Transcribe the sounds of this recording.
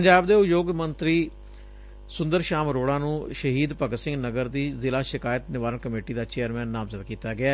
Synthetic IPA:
pəɲd͡ʒaːbd̪eːʊjoːɡmənt̪ɾiː | sʊ̃nd̪əɾʃaːmɾoːɽãːnũːʃəɦiːd̪pəɡsɪ̃ŋɡnəɡəɾd̪iːzɪlaːʃɪkaːjət̪nɪʋaːɾənkəmeːʈiːd̪aːt͡ʃeːəɾmɛ̃ːnːaːmzət̪kiːt̪aːɡɪaː

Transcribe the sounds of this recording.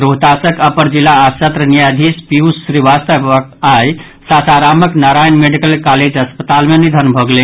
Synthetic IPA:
ɾot̪asəkəpəɾd͡ʒilːaːsət̪ɾənijad̪ʱispiusːɾiʋast̪əpəkaj | sasʰaɾaməknaɾajnmeɖikəlkaled͡ʒɦəspət̪almenid̪ʱənbʱəɡlen

